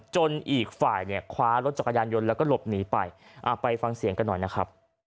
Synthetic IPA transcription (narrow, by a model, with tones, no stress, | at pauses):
t͡ɕo˧nʔiː˨˩k̚faː˨˩jni˥˩ɐkʰwaː˦˥ɾo˦˥t̪̚t͡ɕa˨˩ka˧jaː˧njo˧nlɛː˦˥kɔː˥˩lo˨˩p̚niː˩˦pa˧jʔaː˨˩pa˧jfa˧ŋsi˩˦ŋka˧nːɔ˨˩jna˦˥kʰɾa˦˥p̚